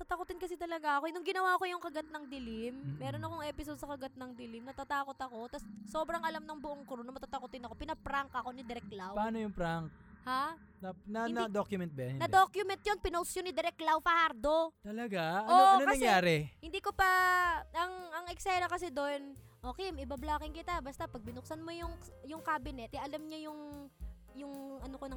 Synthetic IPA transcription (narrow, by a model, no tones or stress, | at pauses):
t̪aːt̪ɐkot̪ɪnkɐsɛt̪ɐlɐɡaʔɐkonʊŋɡɪnɐwaːɐko̞jʊŋkɐɡɐt̪̚nɐŋd̪ɪlɪmːɛːɾonɐkoŋʔɛpɪsod̪̚sɐkɐɡɐt̪̚nɐŋd̪ɪlɪmnɐt̪at̪aːko̞t̪ɐko̞t̪ɐsso̞ːbɾɐŋʔɐlamnɐŋbʊʔoŋkʊɾunɐmɐt̪at̪ɐkot̪ɪnɐkopɪnɐpɾaŋkɐko̞nɪd̪ɛɾɛk̚lawpɐʔaːnojʊŋpɾaŋkha | nɐnɐnd̪okjʊmɛnt̪̚bɐjɐnɪnɐd̪okjʊmɛnt̪̚jonpɪnowsjonɪd̪ɛɾɛk̪̚lawfɐhaɾd̪ot̪ɐlɐɡaʔonɐkɐɐsŋjaːɾɛhɪnd̪iːkopɐɐŋɐŋʔɛksajɾɐkɐsɛd̪on | ʔo̞ːkɛjmʔɪbablaːkɪŋkɪt̪abɐst̪apɐɡ̚bɪnʊk̚sɐnmojʊŋjʊŋkaːbɪnɛt̪ʔɛʔɐlamɲajʊŋ | jʊŋɐnokonɐŋ